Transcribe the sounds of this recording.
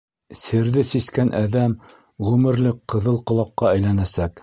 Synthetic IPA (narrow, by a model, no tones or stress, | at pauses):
sɘɾðɘsiskænʔæðæm | ʁʉmɘ̆ɾlɘkqːɤ̆ðɤlˠqŏlˠɑqːɑæjlænæsæk